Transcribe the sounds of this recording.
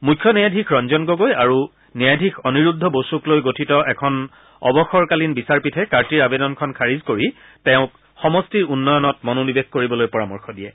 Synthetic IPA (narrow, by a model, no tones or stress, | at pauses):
mukʰːjɔnɛjadʱikʰɹɔnzɔnɡoɡojaɹu | nɛjadʱikʰɔniɹudʱːɔbosuklojɡotʰitɔʔɛkʰɔn | ɔ̰bɔxɔɹkalinbisaɹpitʰɛkaɹtiɹabedɔnkʰɔnkʰaɹizkoɹi | tɛʊ̃k | xɔmɔstiɹunːɔjɔnɔtmɔnonibexkoɹibɔlojpɔɹamɔɹxɔdiɛ